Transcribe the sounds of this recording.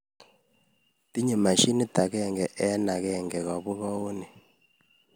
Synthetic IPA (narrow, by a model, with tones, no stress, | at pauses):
ti˦ɲe˨ma˨ʃi˦ni˦ta˨kɛ˦˨ŋɡɛ˨ʔɛ˦na˨kɛ˦˨ŋɡɛ˨ka˨βu˦kɔ˦o˦ni˨